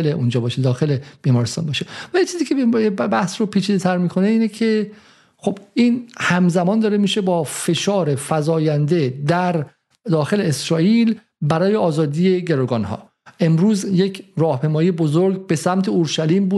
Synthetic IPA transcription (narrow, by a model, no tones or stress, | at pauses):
eleʔund͡ʒɒːbɒːʃed̪ɒːxe̞leb̥iːmɒːɾest̪ɒ̰ːnbɒːʃe̞vælit͡ʃʰiziːkʰcʰebæhsɾopʰiːt͡ʃʰiːd̪et̪ʰæɾmiːkʰo̞neiːnecʰe̞ | xo̞b̥iːnhæmzæmɒːnd̪ɒːɾemiːʃe̞bɒːfe̞ʃɒːɾe̞fæzɒːjænd̪e̞d̪æɾ | d̪ɒːxe̞leːsɾɒːʔiːl | bæɾɒːjeɒːzɒːd̪iːje̞ɟe̞ɾoɡɒnhɒ̰ː | ʔe̞mɾuːzjecʰɾɒːhpʰejmɒːijebozoɾɡbe̞sæmt̪ʰeoɾʃæliːmbuːd̪